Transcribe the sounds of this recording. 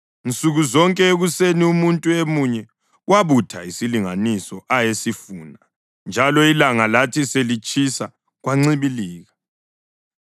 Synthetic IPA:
int͡sʼuɣuzɔŋkʼɛeɣuseniumuntʼuemuɲɛ | waβutʰaisiliŋanisɔʔajesifuːna | nd͡ʒʱalɔilaŋalatʰiselit͡ʃʼisa | ɣwaŋ͡ǀiβiliːɣa

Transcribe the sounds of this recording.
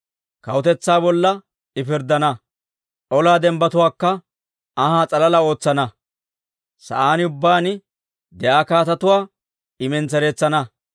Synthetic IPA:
kɐwʊt̪ɛt͡sːaːbɔlːɐ | ɪfɪɾd̪ɐnɐ | ɔlaːd̪ɛmbɐt̪ʊwaːkːɐ | ɐhaːt͡sʼɐlɐlɐo̞ːt͡sːɐnɐ | sɐ̰ʔaːnɪʊbːaːnɪ | d̪ɛʔaːkaːt̪ɐt̪ʊwaː | ɪmɛnt͡sɛɾe̞ːt͡sːɐnɐ

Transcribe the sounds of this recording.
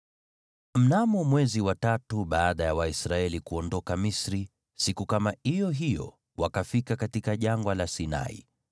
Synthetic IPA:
m̩namɔmwɛziwatatuɓaːɗajawaisɾaɛlikuɔndɔkamisɾi | sikukamaijɔɦijɔ̰ | wakafikakatikaʄaŋɡwalasina̰ḭ

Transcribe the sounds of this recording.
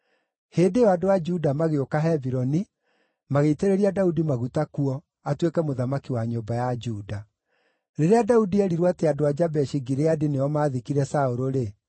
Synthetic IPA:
heːdeɔadoad͡ʒudamaɣeokaɦɛviɾɔni | maɣeteɾeɾiadaudimaɣutakuɔ | atwekɛmoðamakiwaɲombajad͡ʒuːda | ɾeɾeadaudiɛɾiɾwateadoad͡ʒabɛʃiɡiɾeadinejɔmaːðikiɾɛsaoɾoɾe

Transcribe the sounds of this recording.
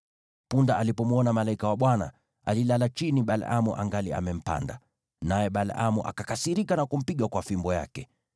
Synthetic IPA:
pundaʔalipɔmuɔnamalaikawaɓwana̰ | a̰lilalat͡ʃiniɓal̰amuʔa̰ŋɡalia̰mɛm̩pa̰nda | najɛɓalamuʔa̰kakasiɾikanakum̩piɠwakwafimbɔja̰kɛ

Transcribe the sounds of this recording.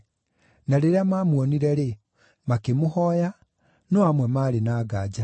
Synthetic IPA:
naɾeɾeamaːmwɔniɾɛɾe | makemohɔja | nɔamwɛmaːɾenaːɡaːd͡ʑa

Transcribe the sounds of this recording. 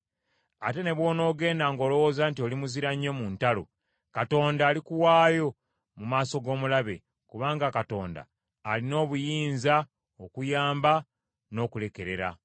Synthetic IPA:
a̰te̞ne̞βwoːno̞ːɡe̞ːndaːŋɡo̞ːlo̞woːzaːntio̞limuziɾaɲːo̞muntalo̞̰ | kato̞ːndaːlikuwaːjo̞ | mumaːso̞ɡo̞ːmulaβe̞̰ | kuβaːŋɡakato̞̰ːnda̰ː | lino̞ːβujiːnza | okujaːmba | no̞ːkule̞ke̞ɾe̞ɾa̰

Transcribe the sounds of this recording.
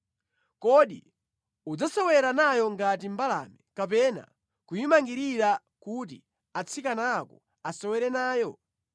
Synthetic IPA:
kɔɗi | ud͡zasɔwɛɾanajɔŋɡat̬im̩bala̰mɛkapɛna̰ | kujimaŋɡiɾiɾa | kut̬ḭ | at͡sʰikanakɔ | asɔwɛɾɛnaːjɔ

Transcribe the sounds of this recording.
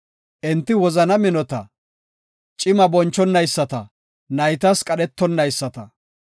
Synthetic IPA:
ʔɪnt̪ːɪwɔzɐnɐmɪnɔt̪ɐ̰ | t͡ʃʼɪmɐbɔnt͡ʃːɔnːɐjsːɐt̪ɐ | nɐjt̪ɐskʼɐɗɛt̪ːɔnːɐjsːɐt̪ɐ

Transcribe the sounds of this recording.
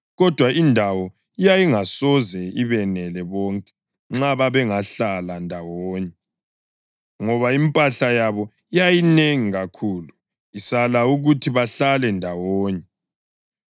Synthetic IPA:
ɣɔd̥ʱwaindʱawɔ | ijajiŋasɔzɛiβɛnɛlɛβɔŋkʼɛ̥ | ŋ͡ǁaβaβɛŋaɬalandʱawoːɲɛ | ŋɔβaimpʼaɬajaβɔ | ijajineŋiɣakʰuːlu | isalauɣutʰiβaɬalɛndʱawoːɲɛ

